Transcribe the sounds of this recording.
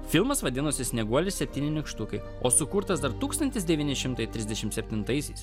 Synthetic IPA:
fʲɪlˠmɐsʋɐd̪ʲɪnʊsʲɪsʲnʲɛɡuɔlʲɪsʲɛpʲt̪ʲiːnʲɪnʲɪkʃt̪ʊkɐɪ | oːsʊkuɾt̪ɐsd̪ɐɾt̪uːkst̪ɐnʲt̪ʲɪsd̪ʲɛʋʲiːnʲɪʃʲɪmt̪ɐɪt̪ʲɾʲɪzʲd̪ʲɛʃʲɪmt̪sʲɛpʲt̪ʲɪnt̪ɐɪsʲɛɪs

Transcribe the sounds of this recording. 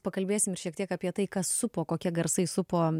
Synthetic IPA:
pɐkɐlʲbʲeːsʲɪmɪɾʃʲiɛkt̪ʲiɛkaːpʲiɛt̪ɐɪkɐsːʊpoːkoːkʲiɛɡɐɾsɐɪsʊpoː

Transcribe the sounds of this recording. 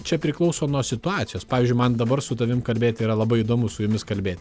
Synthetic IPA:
t͡ʃʲɛpʲɾʲɪklˠɐʊsoːnuɔsʲɪt̪ʊɑːt̪ʲɪjoːspɑːʋʲɪːzʲd͡ʒʲʊɪmɐnd̪ɐbɐɾsʊt̪ɐʋʲɪmkɐlʲbʲeːt̪ʲiːɾɐlˠɐbɐɪid̪oːmʊsʊjʊmʲɪskɐlʲbʲeːt̪ʲ

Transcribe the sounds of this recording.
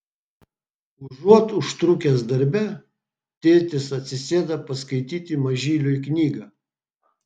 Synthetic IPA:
ʊʒuɔt̪ʊʃt̪ɾʊkʲeːs̬d̪ɐɾʲbʲɛ | t̪ʲɪlʲt̪ʲɪsɐt̪ʲsʲɪsʲeːd̪ɐpɐskɐɪt̪ʲiːt̪ʲɪmɐʒʲiːlʲʊɪknʲiːɡɐː

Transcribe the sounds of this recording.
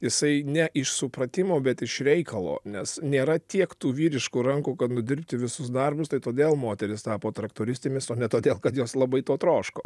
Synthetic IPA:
jɪsɐɪnʲɛʔɪʃsʊpɾɐt̪ʲɪmoːbʲɛt̪ɪʃɾʲɛɪkɐlˠo̰ːnʲɛsnʲeːɾɐt̪ʲiɛkt̪uːʋʲiːɾʲɪʃkuːɾɐŋkuːkɐt̪nʊd̪ʲɪɾʲpʲt̪ʲɪʋʲɪsʊsd̪ɐrbʊst̪ɐɪt̪oːd̪ʲeːlˠmoːt̪ʲɛɾʲɪst̪ɑːpoːt̪ɾɐkt̪oːɾʲɪsʲt̪ʲemʲɪsoːnʲɛt̪oːd̪ʲeːlˠkɐt̪joːslˠɐbɐɪt̪oːt̪ɾoːʃko̰ː

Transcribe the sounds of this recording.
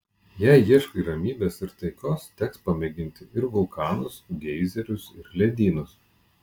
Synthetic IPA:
jæɪjiɛʃkɐiɾɐmʲiːbʲeːsɪɾt̪ɐɪkoːst̪ʲɛkspɐmʲɛɡʲɪnʲt̪ʲɪʔɪɾʋʊlˠkɑːnʊsɡʲɛɪzʲɛɾʲʊsɪɾlʲɛd̪ʲiːnʊs

